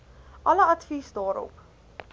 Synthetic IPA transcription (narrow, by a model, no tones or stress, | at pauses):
ʔɐləɐtfisdɑːɾɔ̰p